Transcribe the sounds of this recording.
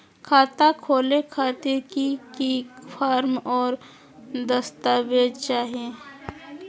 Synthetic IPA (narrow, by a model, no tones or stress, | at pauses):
kʰaːt̪akʰoːlekʰaːt̪ɪɾkikifʰaːɾmɔːɾ | d̪əst̪aʋeːd̪t͡ʃaːɦie